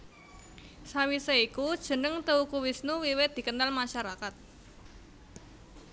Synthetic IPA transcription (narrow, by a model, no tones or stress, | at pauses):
sawisaikud̥ʒ̥ə̤nəŋt̪əukuwisnuwiwɪt̪̚d̥̪i̤kənalmaʃaɾakat̪̚